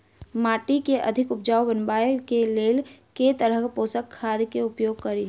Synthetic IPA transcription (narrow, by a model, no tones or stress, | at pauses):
maːʈikeʔɐ̰d̪ʱɪkʊp̚d͡ʒaːwbənbaːjkeleːlket̪əɾəpoːsəkʰːaːd̪keʊpjoːɡ̚kɐɾi